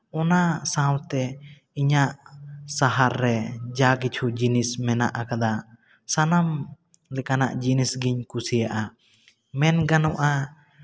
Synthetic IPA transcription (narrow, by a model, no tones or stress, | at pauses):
ɔnasãwt̪ɛ | iɲaʔsaɦaɾːɛd͡ʒakit͡ʃʰud͡ʒinismɛna̰ʔakad̪a | sanam | lɛkana̰ʔd͡ʒinisɡiɲkusijaʔa | mɛnɡanɔʔa